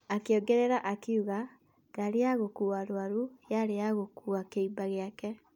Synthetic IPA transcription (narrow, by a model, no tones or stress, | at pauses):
akeoɡɛɾeɾaʔakiuɣa | ɡaɾeaɣokuaɾwaɾujaɾeaɣokuakeibaɣeakɛ